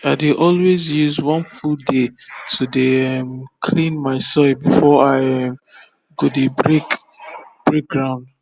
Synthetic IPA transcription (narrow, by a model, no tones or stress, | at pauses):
aɪdeʔɔlwezjuzwɔ̃nfuldetʰudemkʰlĩnmaɪsɔbifɔaɪm | ɡodebɹek | b̥ɹek̚ɡɹãʊ̃nd